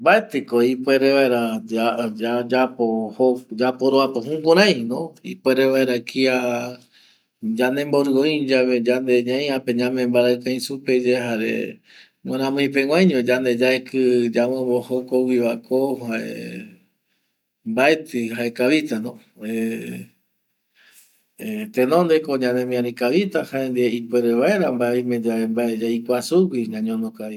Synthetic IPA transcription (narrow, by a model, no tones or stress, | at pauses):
mbaet̪ɨkoipʷe̞ɾeʋaeɾaaad͡ʒapohod͡ʒapoɾoapoɦũkoɾ̃ãj̃nõḭpwe̞ɾeʋaeɾakʰia | d͡ʒanẽ̞mboɾɨõĩd͡ʒaβed͡ʒand̪e̞ɲãj̃apẽ̞ɲãmẽmbaɾakãj̃suped͡ʒeɦaɾḛ | mẽɾ̃ãmõj̃pẽw̃ʷãjɲod͡ʒand̪e̞d͡ʒaekɨd͡ʒamõbohokouwiβakohaʔḛ | mbaet̪ɨhae̞kaβit̪anõ | e | t̪enõnd̪ekoɲãnẽmĩãɾĩkaβit̪ahaend̪ieipweɾeβae̞ɾambaeimẽ̞d͡ʒaembaed͡ʒaikʷasukiɲãɲõnõkaɾi